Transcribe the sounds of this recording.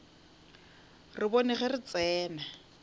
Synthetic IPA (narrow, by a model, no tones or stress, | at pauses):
rɪbɔnɪχɛrɪt͡sɛːna